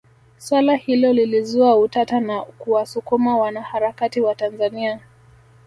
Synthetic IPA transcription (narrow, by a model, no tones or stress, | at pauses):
swalahilɔlilizuautatanakuwasukumawanahaɾakatiwatanzania